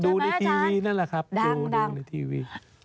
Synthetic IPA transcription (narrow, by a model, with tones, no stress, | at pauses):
duː˧na˧jt̪ʰiː˧wiː˧na˦˥˨la˧˨˩kʰa˦˥p̚duː˧dːna˧jt̪ʰiː˧wiː˧˩